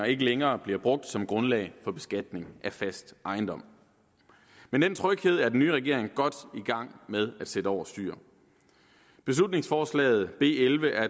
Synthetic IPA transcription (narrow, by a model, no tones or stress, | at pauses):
ɐe̝ɡ̥əleŋɐːb̥liɐb̥ʁɔ̽ɡ̥̚d̥sɒ̽mɡ̥ʁɔ̽nlɛ̰ɪfɒ̽b̥e̝sɡ̥æd̥ne̝ŋʔæfæsd̥ʔɑ̈ɪnd̥ɒ̽m̰ | mend̥ent͡sʰʁœɡ̥he̝ð̞̰ˠæɐden̩ːyːʁɛɡ̥e̝ɐ̰e̝ŋɡ̥ɒ̽d̥iɡ̥ɑ̈ŋ̰með̞ˠæd̥sedəɒ̰ʊ̰ɐsd̥y̰ːɐ | b̥e̝slud̥ne̝ŋsfɒːslɛ̰ːð̞̩ˠb̥e̝̰ːelʋəʔæɐ